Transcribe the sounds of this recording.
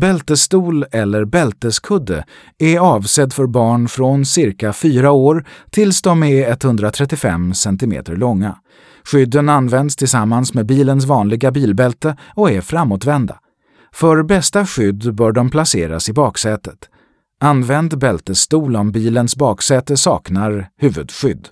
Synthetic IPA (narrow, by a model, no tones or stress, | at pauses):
bɛlt̪əst̪uːlɛlːəɾbɛlt̪əskʰɵd̪ːə̰ | ɛɑːvsɛtd̪fœɾbɑːɳfɾɔnsɪɾkafyːɾaoːɾt̪ʰɪlsd̪ɔmɛɛt̪hɵnd̪ɾat̪ʰɾɛt̪ːɪfɛ̰msɛnt̪ɪmḛːt̪əɾɭɔŋːa | ɧʏd̪ːənanvɛnd̪st̪ʰɪlsamːansmeːbiːləns̬vɑːnlɪɡabiːlbɛlt̪əɔɛfɾamːot̪vɛnd̪a̰ | fœɾbɛst̪aɧʏd̪ːbœːɖɔmpʰlaseːɾa̰sɪbɑːksɛːt̪ət̪ | anːvɛnd̪bɛlt̪əst̪uːlɔmbiːlənsbɑːksɛːt̪əsɑːknaɾhʉ̟ːvɵd̪ɧʏd̪ː